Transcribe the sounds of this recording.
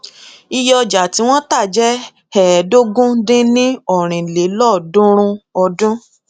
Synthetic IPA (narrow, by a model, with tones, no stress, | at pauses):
i˧jɔ˧d͡ʒa˨ti˨˦w̃ɔ̃˦ta˦˨d͡ʒɛ˦ | hɛː˨do˦ɡũ˦dĩ˦nĩ˦ɔ˦˨ɾ̃ĩ˨le˨˦lɔ˦˨dũ˦ɾ̃ũ˧ɔ˧dũ˦